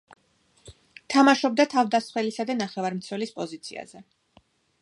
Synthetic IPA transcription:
t̪ʰamaʃɔb̚d̪at̪ʰavd̪asχwɛlisad̪anaχɛvaɾmt̪sʰwɛlispʼɔzit̪sʰḭa̰zɛ

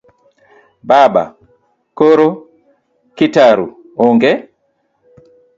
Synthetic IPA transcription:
baːɓa̰ | koɾo | kitaɾṵ | ɔŋɡɛ

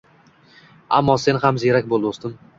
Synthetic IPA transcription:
a̰mːɒse̞nhamzeɾakʲbolˠd̪ɪost̪ɪm

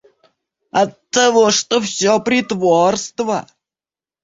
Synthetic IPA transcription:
ɐt̪ːɐvoʂt̪ofsʲɔpɾʲɪt̪vorst̪və

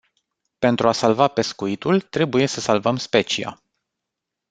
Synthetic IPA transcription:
pe̞nt̪ɾuasalvape̞skuit̪ult̪ɾe̞buje̞səsalvəmspe̞t͡ʃia̰

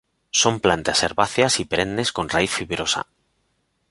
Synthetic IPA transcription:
so̞mplant̪aseɾβaθjasipeɾe̞nne̞sko̞nraiθfiβɾo̞sa̰

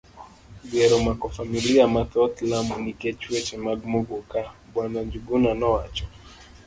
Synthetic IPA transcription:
ɡɛɾɔmakɔfamiliamat̪ɔtlamunikɛt͡ʃuɛt͡ʃɛmaɡmoɡokabwanaɲd͡ʒubunanɔwat͡ʃɔ

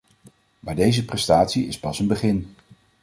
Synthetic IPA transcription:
maːdejzəprɛstaːtsiɪspɑsənbəχɪn

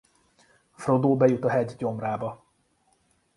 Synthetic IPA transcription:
frod̪oːbɛjut̪ɒɦɛɟɟo̞mraːbɒ

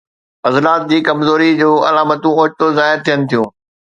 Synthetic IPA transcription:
ɐzlaːt̪̚d͡ʑiːkɐmzoːɾid͡ʑoːɐ̰laːmət̪ũoːt͡ɕt̪ozaːɪɾt̪ʰijənɪ̆t̪ʰijũː

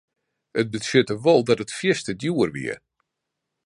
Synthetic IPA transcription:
ət̚bəsøtəʋɔlˠdɔtətfjɪstədjuərʋḭə̰

